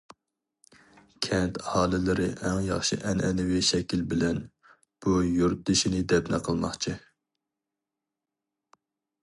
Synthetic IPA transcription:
kʲʰɛnt̪hɑːlˠɪlɪɾɪʔɛŋjɑ̰χʃɨ̰ʔɛnɛnɪwɪʃɛkʲilbɪlɛn | b̥ujuɾt̪̚d̪ɪʃinɪd̪ɛpnɛqʰəlˠmɑ̰χt͡ʃʰi

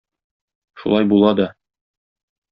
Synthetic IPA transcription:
ʃṵlˠɑjbulˠɑd̪ɒ

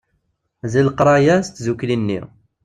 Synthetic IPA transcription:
ziləqɾˤɑjæst̪zuklinːḭ

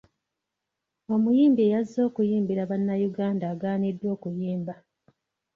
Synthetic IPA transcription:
o̞mujiːmbiejazːo̞ːkujiːmbiɾaβanːajuɡaːndaːɡaːnidːo̞ːkujiːmba

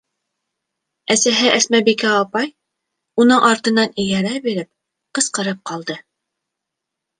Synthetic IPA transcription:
æsæɦɘʔæsmæbikæːpɑj | unɤɴʔɑɾt̪ɤ̆nɑnĭjæɾæbiɾɘp̚ | qɤ̆sqɤ̆ɾɤp̚qɑlˠd̪ɤ

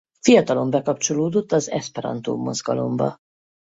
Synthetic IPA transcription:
fijɒt̪ɒlo̞mbɛkɒpt͡ʃo̞loːd̪o̞t̪ːɒzɛ̰spɛɾɒ̰nt̪ṵːmːo̞̰zɡɒlo̞̰mbɒ̰

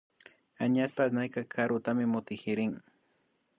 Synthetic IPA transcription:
aɲaspasnajkakʰaɾʊt̪amɪmʊt̪ɪxɪɾɪŋ

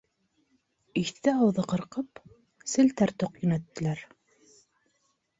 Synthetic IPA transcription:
iθt̪ɘɑwðɤqɤ̆ɾqɤp | sɘ̆lt̪æɾt̪oqjɵ̆næt̪ːɘ̆læɾ

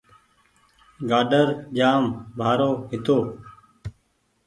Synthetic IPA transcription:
ɡaːɖəɾd͡ʒaːmbʱaːɾoːɦɪt̪oː

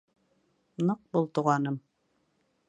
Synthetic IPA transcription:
nɤq̚bulˠt̪ŭʁɑnɤm

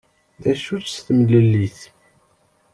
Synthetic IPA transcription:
ðæʃut͡sst̪mləlːiθ

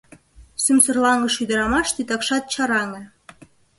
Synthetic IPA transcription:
symsə̆rlɑŋɡɤ̆ʃyd̪ə̆ɾɑmɑʃt̪it̪ɑkʃɑt̪̚t͡ɕɑɾɑŋɤ̆n

